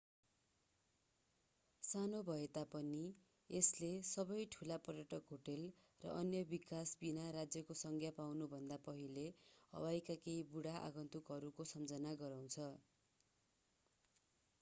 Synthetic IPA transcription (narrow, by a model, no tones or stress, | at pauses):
sanobʱʌet̪apʌni | eslesʌbʌjʈʰulapʌɾjʌʈʰʌkɦoʈel | rʌ̰ʔʌnjʌbikasbinaɾad͡zjʌkosʌŋkʰjapawnubʱʌnd̪apʌɦileʌ̰wajkakeibuɽaʔa̰ɡʌnt̪ukɦʌɾukosʌmd͡zʌnaɡʌɾaw̃t͡sʰʌ